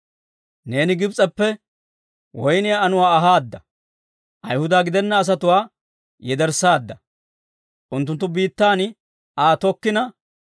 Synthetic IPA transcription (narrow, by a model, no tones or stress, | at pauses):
ne̞ːnɪɡɪbt͡sʼɐpːɛ | wɔjnɪjaːnʊwaːɐɦaːd̪ːɐ | ʔɐjhʊd̪aːɡɪd̪ɛnːɐːs̬ɐt̪ʊwaː | jɛd̪ɛɾsaːd̪ːɐ | ʔʊnt̪ːʊnt̪ːʊbiːt̪ːaːn | aːt̪ɔkːɪnɐ